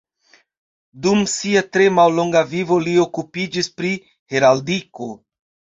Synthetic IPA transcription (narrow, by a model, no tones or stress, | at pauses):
dumsiatɾe̞mawlo̞ŋɡavivo̞lio̞kupid͡ʒispɾi | he̞ɾaldiko̞